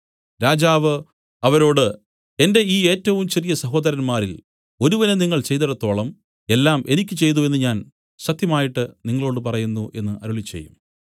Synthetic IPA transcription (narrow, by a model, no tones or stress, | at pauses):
ɾaːd͡ʑaːʋɨ | ɐʋɐɾo̞ːɽɨ | e̞nde̞iːe̞ːtːɐʋumt͡ɕe̞rijɐsɐɦo̞ːd̪ɐɾɐnmaːɾil | o̞ɾuʋɐneniŋːɐɭt͡ɕe̞jt̪ɐɽɐt̪ːo̞ːɭɐm | e̞lːaːmʔe̞nikʲːɨt͡ɕe̞jt̪̬ue̞nːɨɲaːn | sɐt̪jɐmaːjiʈːɨniŋːɐɭo̞ːɽɨp̬ɐrɐjunːuʔe̞̰nːɨʔɐ̰ɾuɭit͡ɕːe̞̰jːum